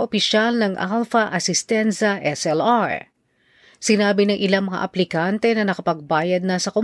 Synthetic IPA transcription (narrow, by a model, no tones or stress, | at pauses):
ʔopɪʃalnɐŋʔa̰lfɐʔɐsɪst̪ɛnsɐʔɛsɛlaɹ | sɪnaːbɪnɐŋʔɪlaŋmɐŋa̰ʔɐplɪkant̪ɛnɐnɐkɐpɐɡ̚baːjɐd̪̚nɐsɐko